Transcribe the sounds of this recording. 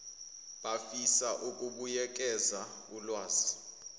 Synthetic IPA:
ɓafisaʔukʼuɓujɛk̬ʼɛza | ulwaːzi

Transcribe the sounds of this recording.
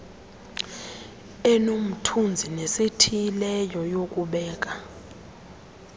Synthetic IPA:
ɛnom̩tʰund͡zʱinesetʰijilɛjɔjok̬ʼuɓɛːk̬ʼa

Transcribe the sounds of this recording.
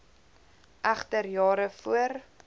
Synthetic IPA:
ʔæχtərjɑːɾəfuər

